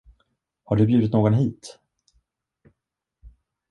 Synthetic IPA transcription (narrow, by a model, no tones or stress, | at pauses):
haɖɵbjʉd̪ɪt̪noːɡɔnɦiːt̪